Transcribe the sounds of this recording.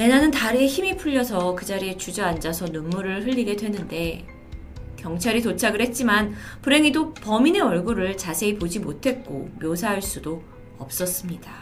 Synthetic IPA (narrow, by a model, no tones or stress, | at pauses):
je̞nanɯntaɾieçimipʰuʎːʌsʰʌkɯd͡ʑaɾiet͡ɕud͡ʑʌand͡ʑasʰʌnunmuɾɯɭhɯʎːiɡe̞dwe̞nːɯnde̞ | kjʌŋt͡ɕʰaɾitot͡ɕʰaɡɯɭhe̞t̚t͡ɕ͈imanpuɾe̞ŋidopʌmine̞ʌɭɡuɾɯɭt͡ɕasʰe̞ipod͡ʑimotʰe̞t̚k͈o̰mjosʰaɦaɭs͈udo | ʌp̚s͈ʌs͈ɯmɲida